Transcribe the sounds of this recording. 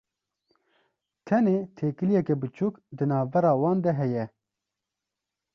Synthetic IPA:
t̪ʰɛneːt̪ʰeːkɨlijɛkɛbɨt͡ʃʰuːkd̪ɨnɑːvbɛɾɑːwɑːnd̪ɛɦɛjɛ

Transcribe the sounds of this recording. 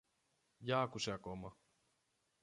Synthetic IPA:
jaːkusakoma

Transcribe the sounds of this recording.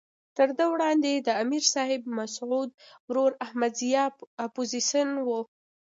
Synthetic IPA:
t̪əɾd̪əwɽɑnd̪ed̪əamiɾsɑhɪbmasʕud̪̚wɾoɾahmad̪zijɑapoziʃənwu

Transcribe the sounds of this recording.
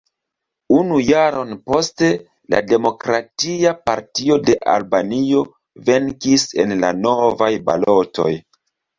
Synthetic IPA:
unujaɾo̞npo̞ste̞ | la̰de̞mo̞kɾatiapaɾtio̞de̞ʔa̰lbanio̞ | ve̞ŋkise̞nlano̞vajba̰lo̞tʰo̞̰j

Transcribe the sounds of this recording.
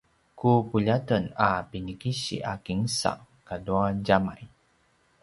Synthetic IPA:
kupuʎatənapinəkiɕḭʔakiŋsa̰ʔ | kaduaɟama̰j

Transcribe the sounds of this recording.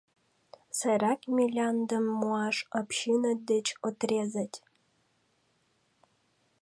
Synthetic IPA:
sæjɾɑkmʲilʲɑnd̪əmːuɑʃopɕinəd̪et͡ɕot̪rʲezət̪ʲ

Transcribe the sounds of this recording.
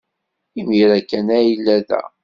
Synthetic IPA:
imiɾækːænæjilːæðæ̰

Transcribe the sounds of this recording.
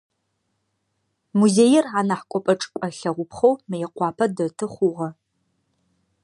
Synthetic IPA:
muzeːjɪranɐħkʷʼɔpʼɐʈ͡ʂʼkʷʼɐɬɐʁʷʊpʰχɐwmɨjɛqʷɑːpʰɐdɐtʰɨχʷʊʁɐ

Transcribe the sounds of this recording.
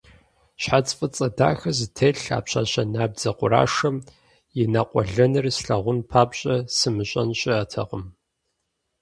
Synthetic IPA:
ɕħat͡sʼfʼɐt͡sʼɐda̰ːxɐzɨtʰeɬa̰ːpɕʰa̰ːɕɐnaːb̚d͡zɐqʷʊɾa̰ːʂɐm | jɪnaqʷʼɔ̰ɮɐnɨrsɬɐʁʷʊnpʰaːbɕʼɐsɨmɨɕʼɐnɕʼɪatʰɐ̰qəm

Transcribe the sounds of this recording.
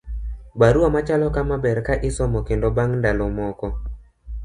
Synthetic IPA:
baɾuamat͡ʃalɔkamabɛɾkaʔɪsɔmɔkɪndɔbaŋndalɔmɔkɔ

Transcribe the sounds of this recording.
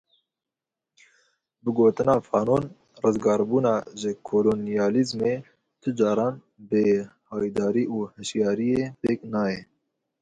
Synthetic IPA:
bɨɡoːt̪ɨnɑːfɑːnoːn | rɨzɡɑːɾbuːnɑːʒɨkʰoːloːnijɑːlizmeː | t̪ʰɨd͡ʒɑːɾɑːn | behɑːjid̪ɑːɾiːʔuːhɨʃjɑːɾijeːt̪eːknɑːjɛ

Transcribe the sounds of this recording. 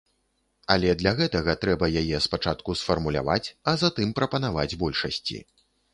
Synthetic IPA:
alʲɛd̪lʲaɣɛt̪ɐɣɐt̪ɾɛbɐjajɛspat͡ʂat̪kusfɐrmulʲa̰va̰t͡sʲɐzat̪ɨmpɾɐpɐnavad͡zʲbɔlʲʂɐsʲt͡sʲḭ

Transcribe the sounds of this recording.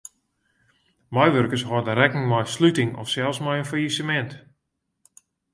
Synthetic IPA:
majʋørkəshɔdənrɛkən̩mɔjslytɪŋɔ̰fsɛlˠsmɔjənfajisəmɛnt

